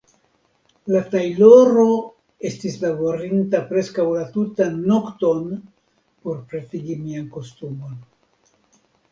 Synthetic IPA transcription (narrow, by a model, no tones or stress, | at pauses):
latajloɾo̞ | e̞stislabo̞ɾintapɾe̞skawlatutanːo̞kto̞n | po̞ɾpɾetiɡimianko̞stumo̞n